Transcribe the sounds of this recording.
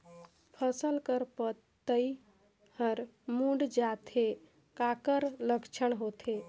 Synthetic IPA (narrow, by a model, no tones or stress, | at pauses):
pʰəsəlkəɾpət̪ː | əi | həɾ | mũɖd͡ʒat̪ʰe | kakəɾləkt͡ʃʰəɳɦot̪ʰe